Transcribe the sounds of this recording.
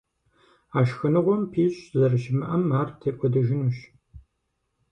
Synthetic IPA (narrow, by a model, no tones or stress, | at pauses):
aːʃxɨnɨʁʷɔmpʰiːɕʼzɐrʃɪmɨʔɐmaːrtʰeːpʷʼɔdɨʒɪnuɕ